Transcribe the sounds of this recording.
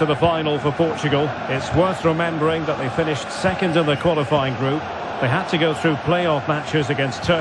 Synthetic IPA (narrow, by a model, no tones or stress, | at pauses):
təðəfãɪ̃nl̩ˠfə˞pʰɔɹt͡ʃɨɡəl̩ˠ | ɪtswɜ˞θɹɪmɛ̃mbəɹɪ̃ŋðəʔ̪̚ðeɪfɪ̃nɪʃtsɛkə̃ndzɨ̃nðəkʰw̥ɒlˠɪfaɪɪ̃ŋɡɹʉˑp̚ | ðeɪəd̚tʰɨɡoʊθɹʉpʰl̥eɪɔfmat͡ʃɪzɨɡɛ̃nstʰɜ